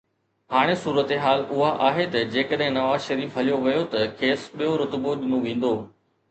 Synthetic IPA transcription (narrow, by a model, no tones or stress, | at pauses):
ɦaːɽ̃esuːɾət̪eɦaːlʊɦaʔaːɦet̪ɐd͡ʑeːkəɗɦɪ̃nɐʋaːzʃɐɾiːfɦɐlijoʋɪjot̪ɐkʰeːsɓijoɾʊt̪boɗɪnũʋẽːn̆d̪oː